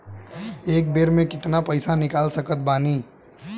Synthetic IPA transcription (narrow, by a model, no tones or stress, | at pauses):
eːk̚beːɾmẽkɪt̪napəɪsanɪkaːlsəkət̪̚baːniː